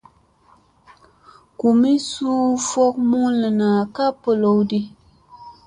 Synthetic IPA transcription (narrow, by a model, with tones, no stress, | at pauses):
ku˨mi˦suː˦fɔ˦k̚mu˦lɨ˨naː˨ka˦pə˨lo˨wdi˦